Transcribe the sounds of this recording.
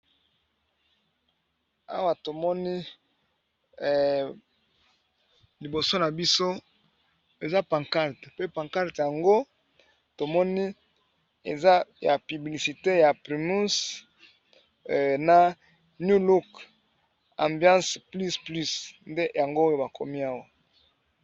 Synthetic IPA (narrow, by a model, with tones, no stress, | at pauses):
a̰˦wa˨to˨mɔ˦ni˦˨ | li˨bo˨so˦na˨bi˦so˦ | e˨za˦pã˨ŋka˦ʁtpe˦pã˨ŋka˦ʁtja˨ŋɡo˦ | to˨mɔ˦ni˦ | ḛ˨za˦ja˨py˨bli˨si˨te˦ja˨pʁi˨mu˦s | na˨ | nju˦lu˦k | ã˨mbjã˦spli˦sply˦snde˦ja˨ŋɡo˦jo˦ba˨ko̰˨mi˦a˦wa˦˨